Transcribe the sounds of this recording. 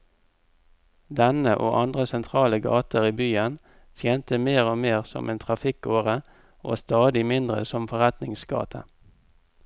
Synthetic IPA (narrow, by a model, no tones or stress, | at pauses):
d̪ɛnəʔo̰ːʔɑnd̪ʁəsɛnt̪ʰʁɑːləɡɑ̰ːt̪əʁiːbyːən | t̪ʰjeːnt̪əmeːʁoːmeːʁsɔ̰mʔḛːnt̪ʰʁɑfɪkoːʁə | ʔo̰ːst̪ɑːd̪ɪmɪnd̪ʁə̰sɔmfɔʁɛt̪nɪŋsɡɑ̰ːt̪ʰə̰